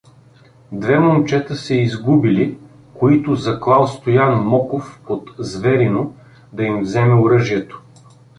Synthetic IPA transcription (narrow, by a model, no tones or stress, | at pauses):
d̪vɛmomt͡ʃɛt̪əsɛizɡubili | koit̪ʊzɐklˠalˠst̪ojanmɔkofpot̪zvɛɾino | d̪ɐimvzɛmɛʊɾɤʒiɛt̪o̥